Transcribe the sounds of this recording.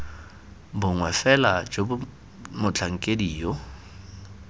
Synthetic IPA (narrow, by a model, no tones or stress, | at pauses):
bʊŋwɛfɛlad͡ʒobʊ | mʊt͡ɬʰaŋ̩kʼediːjɔ